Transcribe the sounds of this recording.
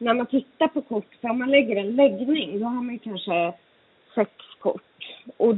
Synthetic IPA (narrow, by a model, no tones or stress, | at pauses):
næɾmant̪ʰɪt̪ːaɾpʰɔkʰʊʈːfœɾɔmːanlɛɡːəɾɛnlɛɡnɪŋd̪ɔɦaɾmanjɵkʰanʂə | sɛkskʰʊ̰ʈːʔɔ